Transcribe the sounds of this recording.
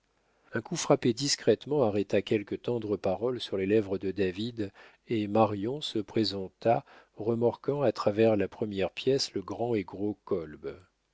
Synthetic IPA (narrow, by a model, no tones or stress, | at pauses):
ɛ̃kufχaped̪iskχɛt̪mɑ̃aʁɛt̪akʲɛlkət̪ɑ̃d̪ʁəpaʁɔlsyʁlelɛvʁəd̪əd̪avid̪ | emaʁjɔ̃səpχezɑ̃t̪a | ʁəmaʁkɑ̃at̪χavɛʁlapχəmjɛʁpjɛsləɡʁɑ̃eɡʁokɔlb